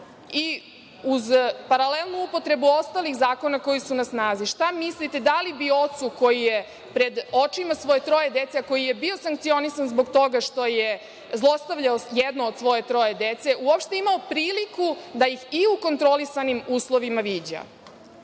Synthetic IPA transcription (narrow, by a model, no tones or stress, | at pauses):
i | uzpaɾalelˠnuupot̪ɾe̞buo̞st̪alixzaːko̞nako̞jisunasnaːziʃt̪amislit̪e̞d̪alibio̞t̪suko̞jije | pɾe̞d̪ot͡ʃimasʋo̞jet̪ɾo̞jed̪et̪seako̞jije̞bio̞saŋkt̪sio̞nisanzbo̞ɡt̪o̞ɡaʃt̪o̞je | zlˠo̞st̪aʋʎaojɛd̪nood̪sʋo̞je̞t̪ɾo̞jed̪et̪se̞uopʃt̪eimaopɾiːlikud̪ajixiuko̞nt̪ɾo̞lisanimuːslˠo̞ʋimaʋid͡ʑa̰